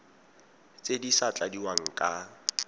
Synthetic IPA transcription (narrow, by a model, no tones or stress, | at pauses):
t͡sʼedisat͡ɬʼadiwaŋ̩kʼa